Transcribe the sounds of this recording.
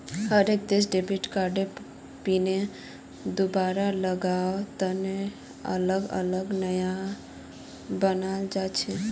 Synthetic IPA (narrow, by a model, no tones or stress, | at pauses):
ɦəɾek̚d̪esɖepiʈkaɾɖe | pine | d̪ubaɾaləɡaot̪əne | ə̰ləɡə̰ləɡnəja | bənald͡ʒat͡ʃʰɛ